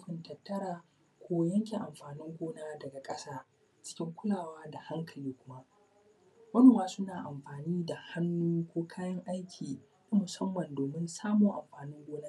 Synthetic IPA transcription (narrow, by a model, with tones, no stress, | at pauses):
ɸɪ˨ntɐ˨tːɐ˦ɾaː˨ | kʷoː˦jɐ˦ŋk̬ʲe˨ʔa˨mɸaː˨nɪ˦ŋɡʷoː˦naː˦dɐ˨ɡa˨kʼɐ˦saː˦ | t͡ʃɪ̥˦kʲɪ˦ŋkʷʊ˦laː˨waː˦da˨ha˦ŋkʰɐ˨liː˦kʷʊ˦ma˦ʔ | wɐ˦nu˨waː˦sʊ˦naː˨ʔa˨mɸaː˨niː˦da˨ha˦nːuː˦kʷoː˦kʰaː˦jɐ˦ŋʔa˦jkʲʰiː˨ | na˦mʊ˨sɐ˦mːɐ˨ndoː˨mɪ˦nsaː˦moː˨ʔa̰˨mɸaː˨nɪ˦ŋɡʷoː˦naː˦